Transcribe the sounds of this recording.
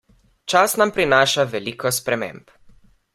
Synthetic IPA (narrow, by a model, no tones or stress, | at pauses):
t͡ʃasnampɾinaːʃaʋɛlikɔspɾɛmḛ̃mp